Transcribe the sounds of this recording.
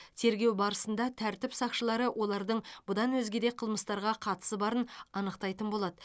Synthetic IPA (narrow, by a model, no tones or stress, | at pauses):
t̪ʰe̞ɾɡʲe̞wbɑɾəsənd̪ɑt̪ʰæɾt̪ɪpsɑqʃəlˠɑɾəwʔo̞lˠɑɾd̪əɴb̥ʊd̪ɑnwɵzɡʲe̞d̪eqʰəlˠməst̪ɑɾʁɑqʰɑt̪ə̥səbɑɾənɑnəqt̪ɑjt̪ənbo̞lˠɑd̪ə